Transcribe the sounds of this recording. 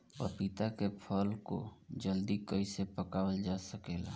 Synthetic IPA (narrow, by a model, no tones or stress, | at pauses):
ɔ̰ɾpɪt̪akepʰəlko̰d͡ʒəld̪ikəisepəkaːwəld͡ʒaːsəkela̰ː